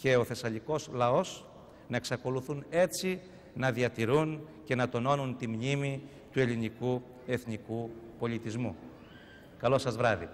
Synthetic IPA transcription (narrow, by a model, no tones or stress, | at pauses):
ce̞o̞θe̞sɐʎiko̞slɐo̞s | nɐe̞ksɐko̞luθune̞t͡si | nɐðiɐt̪iɾunce̞nɐt̪o̞no̞nunt̪imɲimi | t̪ue̞liniku | e̞θnikupo̞ʎit̪izmu | kɐlo̞sɐzvɾɐðḭ